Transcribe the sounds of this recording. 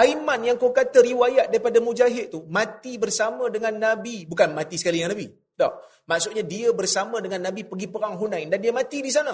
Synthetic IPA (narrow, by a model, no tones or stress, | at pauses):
aimanjaŋkokat̪əɾiwajaʔ̪̚daɾipadamud͡ʒaɦɪt̪̚t̪umãt̪ibərsamə̃dəŋanːabibukanmat̪isə̥kalijaŋnabi | dɔ̰h | maʔsʊʔɲadiəbərsamə̃dəŋanːabipəɡipəɾaŋɦunãndandiəmãt̪idis̬anə